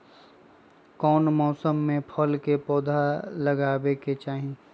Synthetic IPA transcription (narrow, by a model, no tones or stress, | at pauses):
kɔːnmɔːsəmːẽpʰəlkepɔːd̪ʱaləɡaːbeket͡ʃaːɦĩ